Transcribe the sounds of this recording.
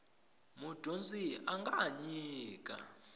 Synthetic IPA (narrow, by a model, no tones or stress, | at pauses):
mud̥ʱond͡zʼiaŋɡʱaɲiːk̬ʼa̰